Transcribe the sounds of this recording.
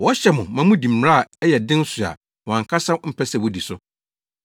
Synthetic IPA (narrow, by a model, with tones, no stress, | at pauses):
wɔ˦ɕɛ˦mʊ̃˨mã˨˦mʊ̃˦dĩ˨m̩˨˦ɾa˦˨ɛ˦jɛ˨dɪ̃˦n̩˦su˨a̰˨ | wɔ˨ã˨ŋ˨kʰa˦sa˦m̩˦pʰɛ˦sɛ˨wo˦di˨sʊ˦